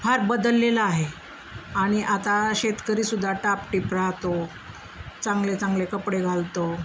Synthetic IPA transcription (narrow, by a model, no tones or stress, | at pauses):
bʰʱaɾbəd̪əlːelaaɦe | aɽ̃iʔat̪aɕet̪kəɾiːsud̪ʱːaʈapʈiːpɾat̪o | t͡sãŋɡlet͡sãŋɡlekəpɽeɡʱalt̪o